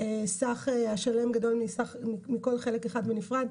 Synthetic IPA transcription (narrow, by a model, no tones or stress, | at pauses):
esaχeaʃale̞mɡado̞lmisaχmiko̞lχe̞lekeχad̪venifʁad̪